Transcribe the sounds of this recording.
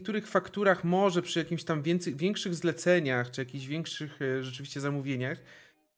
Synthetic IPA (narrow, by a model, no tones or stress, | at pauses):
k̚t̪uɾɘxfakt̪uɾaxmɔʐɛpʂɨjakʲimɕt̪amvʲjɛnt̪sɛjvʲjɛŋkʂɘɣzlɛt̪sɛɲaxt͡ʂɨjakʲiʑvʲɛŋkʂɘxʐɛt͡ʂɘvʲiɕt͡ɕɛzamuvʲjeɲax